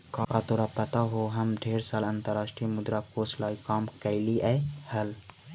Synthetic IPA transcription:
kaːkat̪oːɾapɐt̪aɦoːɦɐmɖʱeːɾsaːlɐ̃nt̪əɾaːʃʈɾimʊd̪ɾakoːslaːikaːmkɐɪliʔɛːhɐl

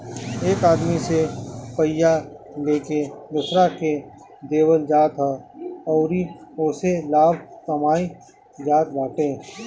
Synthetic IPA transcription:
eːkaːd̪misepəjːaleːkeb̪ʊsɾake | d̪eːwəld͡ʒaːt̪ɦaɔːɾioːselaːbkəmaːi | d͡ʒaːt̪baːʈẽː

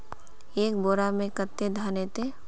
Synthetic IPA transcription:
eːk̚boːɾamẽkət̪ːed̪ʱaːnet̪e

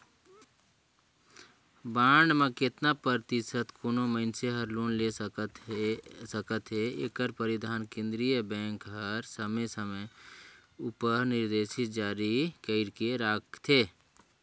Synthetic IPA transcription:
baːɳɖmẽkɪt̪napəɾt̪ɪsət̪konoməɪnseɦəɾloːnleət̪səkət̪ɦeeːkəɾpəɾɪd̪ʱaːnkẽnd̪ɾijəbɛ̃ːŋkɦəɾsəməsəmə | upəɾnɪɾd̪eːʃɪt̪̚d͡ʒaːɾikəɪɽkeɾaːkt̪ʰeː

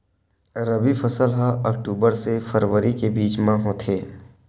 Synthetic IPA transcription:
ɾəbifʰɐsəlɦaək̚ʈuːbəɾsefəɾʋəɾikebiːt͡ʃmãɦõːt̪ʰeː

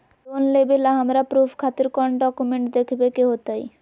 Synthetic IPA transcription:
onlebelaɦamɾapɾupʰkʰat̪eɾkɔɳɖɔkumeɳʈd̪ekʰbekeɦot̪aj

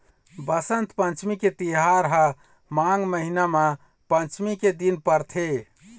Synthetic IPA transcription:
bəsənt̪pə̃nt͡ʃmiket̪iɦaɾɦə | maŋɡməɦinamã | pənt͡ʃmiked̪inpəɾt̪ʰe

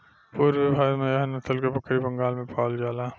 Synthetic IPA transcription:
puːɾʋɪbʱaːd̪mɐjaɦnɐt̪ʰəlkepɐkʰːɾibɐŋɡaːlmẽpaːld͡ʒaːlaː

